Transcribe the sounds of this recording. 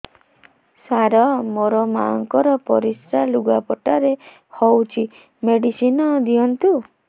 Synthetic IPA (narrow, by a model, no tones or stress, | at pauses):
saɾɔmoɾɔmaɔŋkɔɾɔpɔɾisɾaluɡapɔʈaɾe | hɔwt͡ʃʰi | meɽisinɔd̪iɔnt̪u